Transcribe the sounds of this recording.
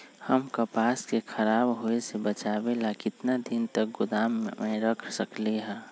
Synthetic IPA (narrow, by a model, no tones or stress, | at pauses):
həmkəpaːskekʰəɾaːbɦoesebət͡ʃaːbelakɪt̪nad̪ɪnt̪ək̚ɡʊd̪aːmẽɾəkʰsəkleɦɛ̃